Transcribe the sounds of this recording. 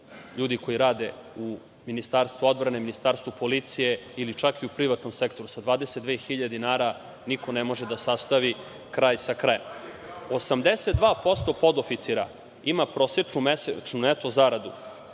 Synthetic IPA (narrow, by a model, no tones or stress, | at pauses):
ʎuːd̪iko̞iɾaːd̪e̞u | minist̪aːɾst̪ʋuo̞d̪bɾaneminist̪aːɾst̪vupo̞lit̪sije̞ilit͡ʃakiupɾiʋat̪no̞mse̞kt̪o̞ɾusad̪ʋaːd̪e̞set̪d̪ʋexiʎad̪inaːɾa | niko̞nemo̞ʒed̪asast̪aʋi | kɾaːjsakɾajem | osamd̪e̞set̪̚d̪ʋaːpo̞st̪o̞po̞d̪ofit̪siɾa̰ | imapɾo̞sjet͡ʂnumet͡ʃnunet̪o̞zaɾad̪u